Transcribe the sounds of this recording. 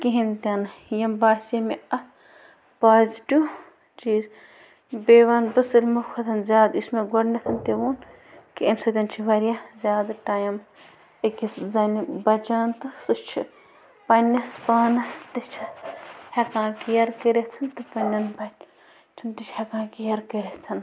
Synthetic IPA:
kiɦint̪ʲɐnɨjɐmbaːsemeɐ | paːzʈʲu | t͡ʃiːz | beːʋanbɨsɨlʲmukʰot̪ʰɐnzʲaːd̪usmeɡoɽnɐt̪ʰɐnt̪eʋuːn | kiɐmsɐt̪ʲɐnt͡ʃʰiʋɐɾjazʲaːd̪ʈaːjɐm | ɨkʲiszɐnibɐt͡ʃaːnt̪ɨsɨt͡ʃʰi | pɐnːɐspaːnɐst̪ɨt͡ʃʰɐhʲɐkãːkijɐɾkeɾet̪ʰɐnt̪ɨpɐnʲːɐnbɐt͡ʃ | t͡ʃʰint̪ɨt͡ʃʰhɐkãːkijɐɾkeɾet̪ʰɐn

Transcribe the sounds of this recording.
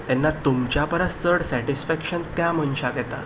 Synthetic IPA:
t̪ɛnːat̪umt͡ɕjapəɾasəɽsɛʈisfɛkɕənt̪jamənɕaɡ̪ɛt̪a̰

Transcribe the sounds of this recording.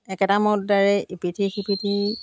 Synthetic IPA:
ɛkɛtamɔtdaɹɛʔipitʰixipitʰi

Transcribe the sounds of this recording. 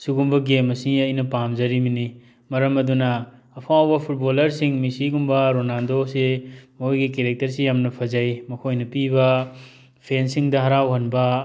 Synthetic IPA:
suɡumbɐɡemɐsiɐjnɐpamzɐɾimini | mɐɾɐmɐdunɐː | pʰawbɐpʰut̚bolɐɾsiŋmisiɡumbɐɾonandosemojɡikeɾek̚tɐɾsijamnɐpʰɐzajmɐkʰojnɐpibɐ | pʰensiŋdɐɦɐɾawɦɐnbɐ

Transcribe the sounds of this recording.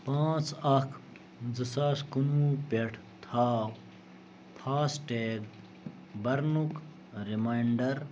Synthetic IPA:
pãːt͡sɐkʰ | d͡zəsaːskunuːpeʈʰ | t̪ʰaː | pʰaːsʈeːɡ | bɐɾnuk | ɾimaiɳɖɐɾ

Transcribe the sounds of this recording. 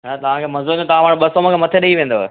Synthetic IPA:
ɦt̪ɐʋ̤ãkʰeːmɐ̃nzuɾd͡ʑot̪ɐʋãʋaːɽɓɐsoːmə̃kʰemɐt̪ʰeɗɐiʋẽːn̆d̪oe

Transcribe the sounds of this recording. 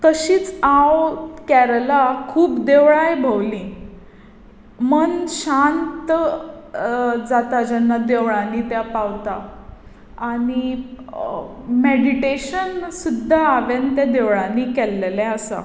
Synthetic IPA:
t̪əɕiːt͡sawkɛɾlakʰuːpd̪eʋɭajbʱəwlĩː | mənɕant̪ | d͡zat̪ad͡ʑɛnːad̪eʋɭanit̪japawt̪a | aɽ̃i | meɽiʈeɕənsud̪ʱːaːʋjant̪jad̪eʋɭãniːkɛlːelɛ̃əsa̰

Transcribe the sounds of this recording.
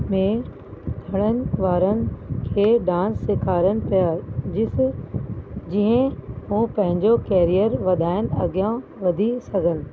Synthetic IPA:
mẽ | d̪ʰʱɐɽ̃ənɪ̆ʋaːɾənɪ̆kʰeːɖãːnsːɪkʰaːɾənɪ̆pijaːd͡ʑɪ | d͡ʑiɦə̃hũːpɐ̃ɦɪ̃ɲd͡ʑokɛːɾijəɾʋɐd̪ʱaːɪnɪ̆ɐɠijã | ʋɐd̪ʱisɐɡʱənɪ̆

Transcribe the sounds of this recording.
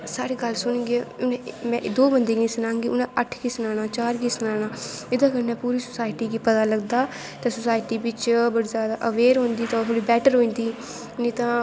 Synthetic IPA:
saːɾeːɡəlsʊñːɡeʊnẽmɛ̃ːʔd̪oːbənd̪eːɡĩːsʊnãːŋɡiːʊnãːʔəʈʰɡiːsʊnaːñaːt͡ʃaːɾɡiːsənaːɽ̃aːɪd̪ãːkəɾnɛ̃ːpuːɾiːsʊ̥saːɪʈiːɡiːpət̪aːləɡd̪aː | t̪ãːsʊsaːɪʈiːbɪt͡ʃbəɽiːzjaːd̪aːʔəʋeːɾɦõːnd̪iːt̪ãt̪ʰoːɽiːbɛːʈəɾɦoːĩːnd̪iː | ʊnĩːt̪ãː

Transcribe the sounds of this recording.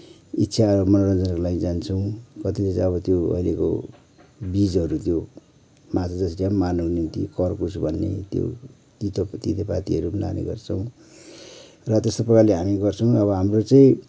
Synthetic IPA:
itːsʰamʌnoɾʌnd͡zʌnkolaid͡zant͡sʰʌw̃kʌt̪ilet͡sãʌβʌt̪joʌ̰ileko̰ | bid͡zʌɾut̪jo | matʰʌd͡zʌsʈammanukonimt̪ikʌrkusbʱʌnːḛt̪jo̰ | t̪it̪t̪it̪epat̪iɦʌɾubna̰nḛɡʌ̰rt͡sʰʌw̃ | rʌt̪est̪opʌkaleɦamiɡʌrt͡sʰʌ̃w̃ʌβʌɦamrot͡saĩ

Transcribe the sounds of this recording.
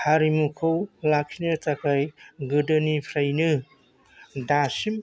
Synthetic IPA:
haɾimukʰɯwlakʰinɯtakʰajɡɯdɯnipʰɾajnɯ | dasim

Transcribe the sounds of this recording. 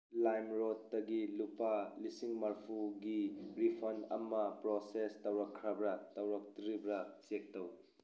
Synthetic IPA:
lajmɾotːɐɡilupɐlisiŋmɐɾpʰuɡiɾipʰonɐ̰mːɐpɾosestɐwɾɐkʰɾɐbɾɐtɐwɾɐk̚tɾibɾɐt͡ʃek̚tɐw

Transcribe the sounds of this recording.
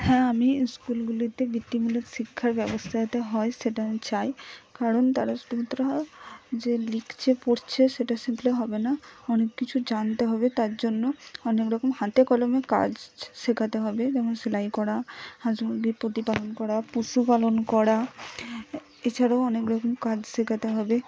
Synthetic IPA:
hɛ̃amiskulɡulit̪ebiʈ̪ːimulet̪ʃikʰːaɾbɛbost̪ʰaet̪eɦɔeʃeʈat͡ɕaekaɾont̪aɾasʈuot̪ɾad͡ʑelikt͡ɕʰepoɾt͡ɕʰeʃeʈasimpleɦɔbenaɔnekːit͡ɕʰud͡ʑant̪eɦɔbet̪aɾd͡ʑonːoɔnekɾɔkomhãt̪ekɔlomeka̰d͡ʑsekʰat̪eɦɔbed͡ʑɛmonselajkɔɽahãd͡ʑbipot̪ipalonkɔɽapusupalonkɔɽa | et͡ɕʰaɽaoɔnekɾɔkomkad͡ʑsekʰat̪eɦɔbe

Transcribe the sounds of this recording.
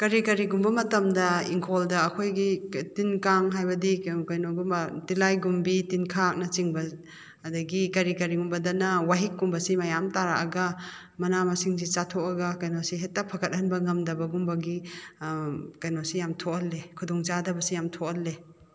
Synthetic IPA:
kɐɾikɐɾiɡumbɐmɐtɐmdɐiŋkʰoldɐːkʰojɡitinkaŋɦajbɐdikɐjnoɡumbɐtilajɡumbitinkʰak̚nɐt͡ʃiŋbɐ | ɐdɐɡikɐɾikɐɾiɡumbɐdɐnɐwaɦik̚ːumbɐsimɐjamtaɾaʔɐɡɐ | mɐnamɐsiŋs̬it͡ʃatʰoʔɐɡɐkɐjnosiɦet̚ːɐpʰɐkɐt̚hɐnbɐŋɐmdɐbɐɡumbɐɡi | kɐjnosijamtʰokɐlːekʰudɔŋt͡ʃadɐbɐsijamtʰokɐlːe

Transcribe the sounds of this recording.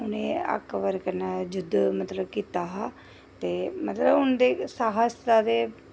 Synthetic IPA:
ɦʊnẽːə̰kʋəɾkənəd͡ʒʊd̪mət̪ləbkiːt̪aːɦaː | t̪eːmət̪ləbʊnd̪eːsaɦəsd̪aːd̪eː

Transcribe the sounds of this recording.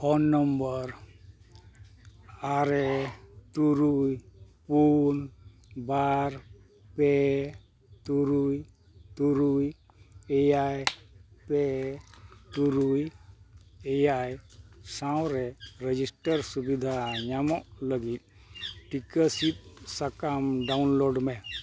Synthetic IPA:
fʰɔnːəmbəɾ | aɾɛt̪uɾuj | pun | baɾ | pɛ | t̪uɾuj | t̪uɾuj | eajpɛ | t̪uɾuj | ɛjajsãwɾɛɾed͡ʒisʈəɾsubid̪ʱaɲamɔʔləɡit̪̚ˀ | ʈikəsit̪̚sakamɖawnloɖmɛ

